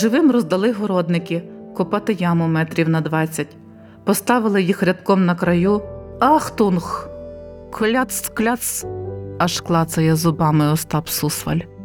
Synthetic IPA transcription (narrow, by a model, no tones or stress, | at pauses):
ʒɪʋɪmrɔzd̪ɐlˠɪɦɔɾɔd̪nɪkɪkʊpɑt̪ɪjɑmʊmɛt̪ɾʲiwnɐd̪ʋɑt͡sʲːɐtʲ | pɔst̪ɑʋɪlˠɪjixɾʲɐt̪kɔmnɐkɾɐjuɑxt̪unx | kʰɔlʲat̪sklʲat̪sɐʃklˠɑt̪t͡s̪ɐjɛzɔbɑmɪɔst̪ɑpsusʋɐ̰lʲ